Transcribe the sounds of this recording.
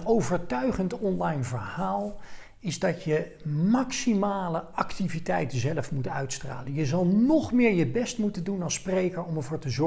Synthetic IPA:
nowvəɹtœɥχəntɔnlɑjnvəɹhaːlˠ | ɪzdɑtjə | maksimaːləʔɑktivitɛjtənzɛləfmutœ̰ɥtstra̰ːlənjəzɑlˠnɔχmɪːɹjəbɛstmutəndunɑlˠsprejkəɹɔmɛɹvʊːɹtəzɔ

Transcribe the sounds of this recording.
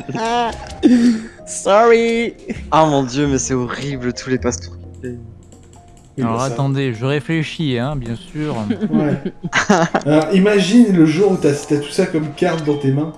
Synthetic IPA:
a | sɔʁi | amɔ̃d̪jømɛsɛɔʁiblət̪ʰulepast̪ike | walɔʁat̪ɑ̃d̪eʒəʁefleʃiɛ̃bjɛ̃syːʁwɛ | alɔʁimaʒinləʒuʁut̪yat̪yat̪u̥sakɔmkaʁd̪d̪ɑ̃t̪emɛ̃

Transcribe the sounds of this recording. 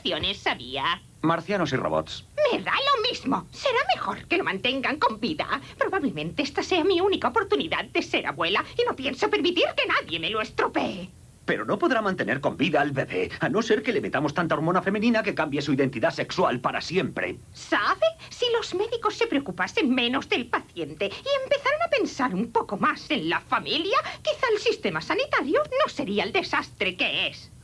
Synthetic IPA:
θjo̞ne̞sːaβia | maɾθjano̞siroβo̰t̪sme̞ðalo̞mizmo̞se̞ɾame̞xo̞̰ɾke̞lo̞mãnt̪e̞ŋɡaŋko̞mbiða̰pɾo̞βaβle̞mẽ̞nt̪eest̪ase̞amiunikaopo̞ɾt̪uniðað̚d̪e̞se̞ɾa̰βwe̞laino̞pje̞nso̞pe̞ɾmit̪iɾke̞naðje̞me̞loest̪ɾopee | pe̞ɾono̞po̞ðɾamãnt̪e̞ne̞ɾko̞mbiðaːlβeβe̞̰ano̞se̞ɾke̞leme̞t̪amo̞st̪ant̪aoɾmo̞nafe̞menĩnake̞kambje̞suiðe̞nt̪iðase̞kswalpaɾa̰sje̞mpɾe̞̰ | saβe̞silo̞zmeðiko̞sːe̞pɾeokupase̞ŋmẽ̞no̞zðe̞lpaθje̞nt̪e̞ie̞mpe̞θaɾonape̞nsaɾumpo̞ko̞mase̞nlafamiljakiθaelsist̪e̞masanit̪aɾjono̞se̞ɾiaeld̪e̞sast̪ɾe̞ke̞es

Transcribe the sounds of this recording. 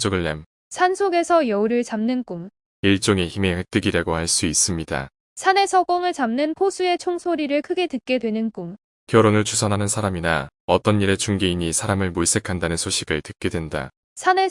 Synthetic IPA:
d͡ʑoɡɯɭːam | sʰansʰoɡe̞sʰʌjʌuɾɯɭt͡ɕamnɯnk͈um | iɭt͡ɕ͈oŋeçime̞hek̚t͈ɯɡiɾaɡohaɭs͈uis͈ɯmɲida̰ | sʰane̞sʰʌɡʌŋɯɭt͡ɕamnɯnpʰosʰue̞t͡ɕʰoŋsʰoɾiɾɯɭkʰɯɡe̞tɯt̚k͈e̞dwenɯnk͈um | kjʌɾonɯɭt͡ɕʰusʰʌnɦanɯnsʰaɾaminaʌt͈ʌnːiɾe̞t͡ɕuŋɡeiɲisʰaɾamɯɭmoɭs͈e̞kʰandanɯnsʰoɕʰiɡɯtɯt̚k͈e̞dwe̞nda̰ | sʰane

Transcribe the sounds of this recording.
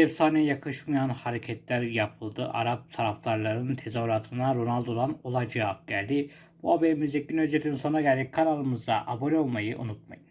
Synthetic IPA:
ɛpsaːnɛjakʰɯʃmɯjanhaɾecʰɛt̪lʲæɾjapʰɯlˠd̪ɯʔa̰ɾap̚t̪ʰaɾaft̪aɾlˠaɾɯnt̪ʰe̞zaɾat̪ʰɯnaɾonalˠd̪o̞d̪ano̞lˠad͡ʒɯap̚ɟælʲd̪i | buhabeɾimizec̚ːʲinød͡ʒet̪ʰiminso̞nɾaɟælʲd̪ikʰːaɾalˠɯmɯzd̪aʔaboɾʲio̞lˠmajɯʔṵnut̪̚ma̰jɯn

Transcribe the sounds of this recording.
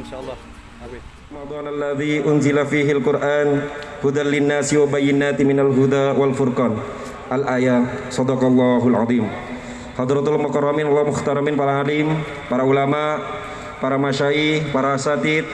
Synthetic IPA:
rɑmɑd̪ˤɑːnʔalːaðiʔʊnzɪlafiːɦɪalkʊrʔaːnhud̪anlɪnːaːsiwabajɪnaːt̪mɪnalɦud̪awalfʊrkɑːn | ʔalʔaːjasɑd̪ɑqɑlˤːɑɦulʕɑðˤiːm | hɑd̪ɾɑt̪almʊkɑrˤːɑminwamʊxt̪aɾˤɑmɪnpaɾaalim | paɾaulamaʔ | paɾamaʃaihpaɾaasat̪it̪̚

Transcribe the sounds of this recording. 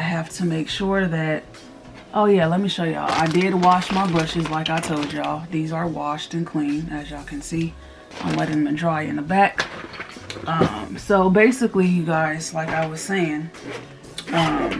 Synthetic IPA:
ɪɦæftʰɨmeɪkʃʊɹðɨt̚ | ʔoʊjælɛt̚miʃoʊjɨ̰ʌ̰a̰ɪdɪdwɑʃmaɪbʊʃɨzlaɪkaɪtʰoʊd͡ʒɑðizə˞wɑʃtɨ̃nkʰl̥ĩnɨzaɪkʰɨ̃nsi | ʔã̰ɪ̃mlɛɾɪ̃ŋmɨdɹaɪɨ̰̃nðəbæk | ʔʌ̃msoʊbeɪsɨklijɨɡaɪz̥laɪkaɪwʌz̥seɪɪ̃ŋ | ʌ̃m

